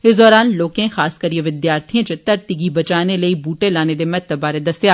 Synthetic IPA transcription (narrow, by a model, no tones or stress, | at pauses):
ɪsd̪ɔːɾaːnloːkẽxaːskɐɾjeʋɪd̪jaːɾt̪ʰiẽt͡ʃet̪ːɐɾt̪ɪɡibɐt͡ʃaːnelɐibuːʈelaːned̪emɛt̪ːɐbaːɾed̪ɐst̪jaː